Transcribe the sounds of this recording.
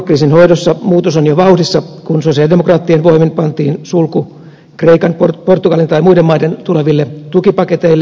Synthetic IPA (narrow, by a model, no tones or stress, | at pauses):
kriːsinhoidosːɑmuːt̪osonjoʋɑuhdisːɑkunsosiɑldemokrɑːt̪ːienʋoiminpɑnt̪iːnsulku | kreikɑnporport̪ːukɑlint̪ɑimuidemːɑident̪uleʋilːet̪ukipɑket̪eilː